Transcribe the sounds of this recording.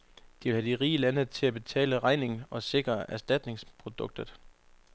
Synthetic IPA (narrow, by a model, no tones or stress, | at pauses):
d̥iʋe̝lhædiʁiːlænət͡sʰe̝læb̥e̝t͡sʰɛ̰ːləʁɑ̈ɪne̝ŋn̩ɒ̽se̝ɡ̥ʁɐʔæɐsd̥æd̥ne̝ŋspʰʁo̝d̥ɔ̽ɡ̥̚d̥ð̩ˠ